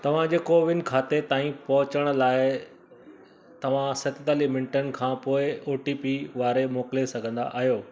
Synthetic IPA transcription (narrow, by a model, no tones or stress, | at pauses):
t̪ɐʋ̤ãd͡ʑeːkoːʋɪnkʰaːt̪et̪aːĩpɐɦʊt͡ɕəɽ̃̆laːɪ | t̪ɐʋ̤ãsɐt̪ɪt̪aːlimɪ̃ɳʈənɪ̆kʰãːpoːɪoːʈipiʋaːɾemoːkɪlesɐɡʱə̃nd̪a̰ʔaːɦijoː